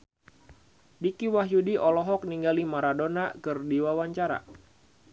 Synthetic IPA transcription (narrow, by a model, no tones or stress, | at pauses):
dikiwaɦjudiʔɔlɔɦɔk̚niŋɡalimaɾadonakɨrdiwawaɲt͡ʃaɾa̰